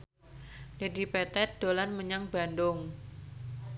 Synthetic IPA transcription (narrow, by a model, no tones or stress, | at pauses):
ledipɛt̪ɛt̪̚d̥olanməɲaŋbandʊŋ